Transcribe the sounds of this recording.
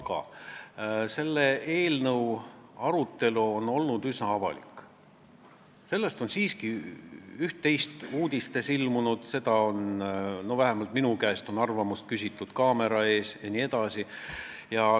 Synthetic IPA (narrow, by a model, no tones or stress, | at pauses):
kɑ̰ | se̞lːeʔe̞ːlnɤwɑɾut̪ːˑe̞luo̞no̞lnud̪̥ysnɑɑvɑ̰lḭkː | se̞lːe̞st̪o̞nsiːski | yht̪ːe̞jst̪uːd̪̥ʲist̪e̞silmunud̪̥se̞d̪ɑo̞nno̞væɦæmɑlt̪minukæest̪o̞nɑrvɑmust̪̚kysʲit̪ːˑud̪̥kɑːme̞ɾɑe̞ːsjɑnie̞d̪ɑsi | jɑ